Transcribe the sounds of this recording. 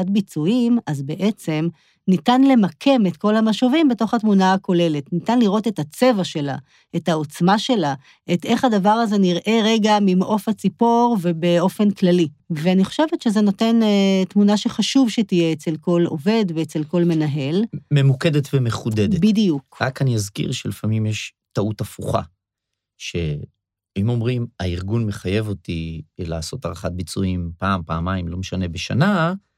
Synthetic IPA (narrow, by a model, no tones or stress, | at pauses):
at̚bit͡suimazbe̞ʔet͡se̞m | nitanle̞makʰe̞metko̞lhamaʃovimbeto̞χatmunaako̞le̞le̞tnitanliʁo̞te̞tat͡se̞vaʃe̞la̰ | ethao̞t͡smaʃe̞la | ʔet̪ʔe̞χadavaʁaze̞niʁʔe̞ʁe̞ɡamimʔo̞fat͡sipo̞ʁve̞be̞o̞fe̞nklaliveaniχoʃe̞vetʃeze̞no̞te̞ntmunaʃe̞χaʃuvʃetijeet͡se̞lko̞lo̰ve̞dveet͡se̞lko̞lme̞naɦe̞lme̞muked̪et̪vemeχud̪ed̪ebidijukʁakaniazkḭʁʃelifamimjeʃ | tautafuχa̰ | ʃḛ | imo̞mʁimaiʁɡunmeχaje̞vo̞tila̰ːso̞taʁaχat̚bit͡suimpaːmpaːmaimlo̞meʃane̞beʃa̰na